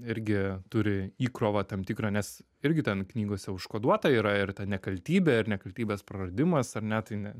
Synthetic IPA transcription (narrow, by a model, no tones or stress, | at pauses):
ɪɾʲɡʲɪt̪ʊɾʲɪiːkɾoːʋɐːt̪ɐmt̪ʲikɾɐːnʲɛs | ɪɾʲɡʲɪt̪ʲɛnknʲiːɡoːsʲɛʊʃkoːd̪uɔt̪ɐiːɾɐɪɾt̪ʲɐnʲɛkɐlʲt̪ʲiːbʲɛɪɾnʲɛkɐlʲt̪ʲiːbʲeːspɾɐrɐd̪ʲɪmɐsɐrnʲɛt̪ɐɪnʲɛ